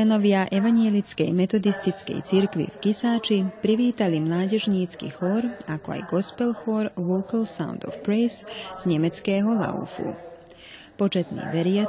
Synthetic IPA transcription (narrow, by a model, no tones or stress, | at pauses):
ɛnɔʋɪaʔɛʋaɲjɛlit͡skɛjmɛt̪ɔd̪ist̪it͡skɛ̰jt͡siɾkʋḭfkisaːt͡ʃipɾiʋiːt̪alimlaːɟɛʒɲiːt͡skḭxɔɾakɔa̰jɡɔspɛlxɔɾʋɔkalsa̰ʊnd̪ɔ̰fpɾɛjsz̥ɲɛmɛt͡skɛːɦɔla̰ṵfṵ | pɔt͡ʃɛt̪nḭːʋɛɾɪa